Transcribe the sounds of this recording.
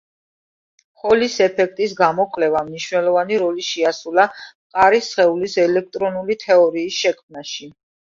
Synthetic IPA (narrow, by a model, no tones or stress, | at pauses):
χɔlisɛpʰɛk̚ʰt̪ʼisɡamɔkʼlɛvamniʃnɛlˠɔvaniɾɔliʃiasula | qʼaɾisχɛulisɛlɛk̚ʰt̪ʼɾɔnulit̪ʰɛɔɾiːsʃɛkʰmnaʃi